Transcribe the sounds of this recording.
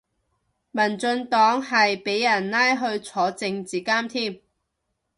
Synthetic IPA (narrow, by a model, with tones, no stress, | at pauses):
mɐ˨˩nt͡sɵ˧nt̪ɔː˨˥ŋɦɐ˨jpe˨˥jːɐ˨˩nlaː˥jɦɵ˧ɥt͡sʰɔː˨˥t͡sɪ˧ŋt͡siː˨˩kaː˥mt̪ʰiː˥˩m